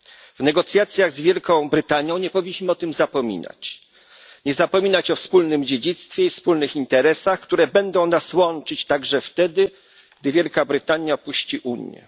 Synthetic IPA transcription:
v̥nɛɡɔt̪sʲjat̪sʲjaɣzvʲjɛlkɔ̃w̃bɾɘt̪aɲjɔ̃w̃ɲɛpɔvʲiɲʲːiɕmɘɔt̪ɘmzapɔmʲḭna̰t͡ɕ | ɲɛzapɔmʲinat͡ɕɔfspulnɘmd͡ʑed͡ʑit̪st̪fʲjɛifspulnɘxint̪ɛɾɛsaxkt̪uɾɛbɛnd̪ɔ̃w̃naswɔnt͡ʂɘt͡ɕt̪aɡʐɛft̪ɛd̪ɘ | ɡ̥̚d̪ɘvʲjɛlkabɾɘt̪aɲjaɔpuɕt͡ɕiʔuɲjɛ̰

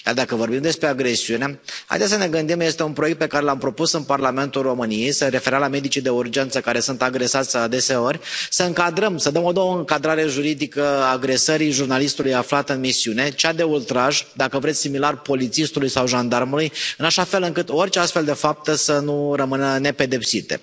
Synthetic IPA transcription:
jard̪akəvo̞rbimd̪e̞spɾe̞aɡɾe̞siune̞ha̰jd̪esəne̞ɡɨnd̪imje̞st̪e̞unpɾojekt̪̚pe̞kaɾe̞lampɾo̞pusɨnparlame̞nt̪ulro̞mɨnijejsəɾe̞feɾalame̞d̪it͡ʃid̪e̞urd͡ʒe̞nt̪səkaɾe̞sunt̪aɡɾe̞sat̪sʲad̪e̞se̞o̞rʲsəɨŋkad̪ɾəmsəd̪əmo̞d̪owəɨŋkad̪ɾaɾe̞ʒuɾid̪ikəaɡɾe̞səɾijʒurnalist̪ulujaflat̪ɨnmisiune̞t͡ʃad̪e̞ult̪ɾaʒd̪akəvɾet̪ʲsimilarpo̞lit̪sist̪ulujsawʒand̪armulujɨnaʃafe̞lɨŋkɨt̪o̞rʲt͡ʃeast̪feld̪e̞fap̚t̪əsənurəmɨnəne̞pe̞d̪e̞psit̪e̞̰

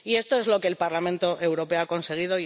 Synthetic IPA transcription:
ie̞st̪o̞e̞zlo̞ke̞ːlpaɾlamẽ̞nt̪o̞ʔe̞wɾo̞pe̞oako̞nse̞ɣ̞ið̞o̞

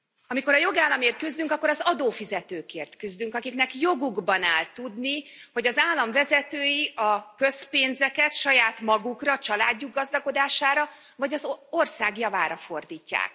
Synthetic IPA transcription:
ɒmiko̞ɾɒjo̞ɡaːlːɒmeːrt̪̚kyzd̪yŋkɒkːoɾɒzɒd̪oːfizɛt̪øːkeːrt̪kyzd̪yŋkɒkiknɛkjo̞ɡuɡbɒnaːlt̪ud̪niho̞ɟɒzaːlːɒɱvɛzɛt̪øːjiʔɒkøspeːnzɛkɛt̪ʃɒjaːt̪mɒɡukrɒt͡ʃɒlaːɟːuɡːɒzd̪ɒko̞d̪aːʃaːɾɒ | vɒɟɒzo̞rsaːɡjɒvaːɾɒfo̞rd̪iːcːa̰ːk

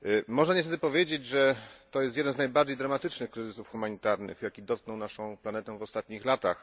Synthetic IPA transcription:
mɔʐnaɲɛst̪ɛt̪ɘpɔvʲjed͡ʑed͡ʑʐɛt̪ɔjɛst̪jɛd̪ɛnznajbaɾd͡ʑejd̪ɾamat̪ɘt͡ʂnɘxkɾɘzɘsufxumaɲit̪aɾnɘ̰xjakʲid̪ɔt̪̚knɔwnaʂɔ̃w̃planɛt̪ɛvɔst̪at̪ɲixlat̪a̰x

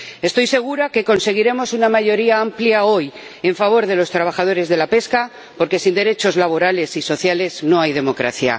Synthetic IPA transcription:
e̞st̪o̞jse̞ɣ̞uɾake̞ko̞nse̞ɣ̞iɾe̞mo̞sunamaʝo̞ɾiaampljao̞j | e̞ɱfaβ̞o̞ɾðe̞lo̞st̪ɾaβ̞axað̞o̞ɾe̞zðe̞lape̞ska | po̞ɾke̞sind̪e̞ɾe̞t͡ʃo̞zlaβ̞o̞ɾale̞siso̞θjale̞zno̞ajðe̞mo̞kɾa̰θja̰

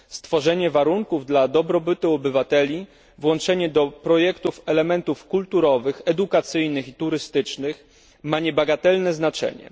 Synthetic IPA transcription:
st̪fɔʐɛɲɛvaɾuŋkuvd̪lad̪ɔbɾɔbɘt̪ɘɔbɘvat̪ɛlʲi | vwɔnt͡ʂɛɲɛd̪ɔpɾɔjɛkt̪ufɛlɛmɛnt̪ufkult̪uɾɔvɘxɛd̪ukat̪sɘjnɘxit̪uɾɘst̪ɘt͡ʂnɘx | maɲɛbaɡat̪ɛlnɛznat͡ʂɛ̰ɲɛ̰

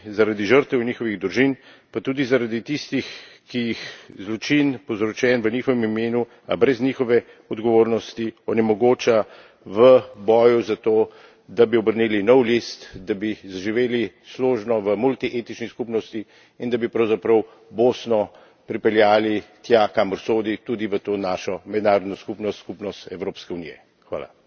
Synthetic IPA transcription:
zaɾad̪iʒəɾt̪ɛwniːxɔʋiɣd̪ɾuʒinpat̪uːd̪izaɾad̪it̪ist̪ixkijixzlɔt͡ʃinpɔwzɾɔt͡ʃɛːnʋəniːxɔʋɛmimeːnu | a̰bɾɛznixɔʋɛ | ɔd̪ɡɔʋoːɾnɔst̪iɔnimɔɡoːt͡ʃa | ʋəbɔːjuzat̪oː | d̪abiɔbəɾnilinɔwlist̪d̪abizaʒiʋeːlisloːʒnɔʋəmult̪iʔet̪it͡ʃniskupnɔst̪i | ind̪abipɾɐwzapɾɐw | boːsnɔ | pɾipɛljaːlit̪jakaməɾsoːd̪it̪ud̪iʋət̪oːnaːʃɔmɛd̪naːɾɔd̪nɔskupnɔskupnɔst̪ɛwɾoːpskɛuniːjɛ̰ | xʋa̰ːla̰

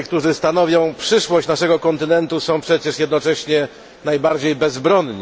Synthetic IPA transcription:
kt̪uʐɘst̪an̪ɔvʲjɔ̃w̃pʂɘʂwɔɕt͡ɕnaʂɛɡɔkɔnt̪ɘnɛnt̪usɔ̃w̃pʂɛt͡ɕɛʂjɛd̪nɔt͡ʂɛɕɲɛ | najbaɾd͡ʑejbɛzbɾɔnɲi

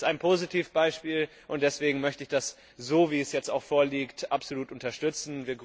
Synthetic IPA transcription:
taɪnpʰoːzitʰiːfb̥aɪʃpiːl | ʔʊnt̚d̥ɛsv̥eːɡŋ̩mœçtəɪçd̥as | zoːviːɛsjɛt͡staʊxfoːɐliːktʔapz̥oluːtʔʊntɐʃtʏt͡sn̩viːɐɡ

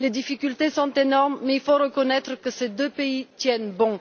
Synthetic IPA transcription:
led̪ifikʲylt̪esɔ̃t̪enɔʁmːeilfoʁəkɔnɛt̪χəkəsed̪øpeit̪jɛnbɔ̃

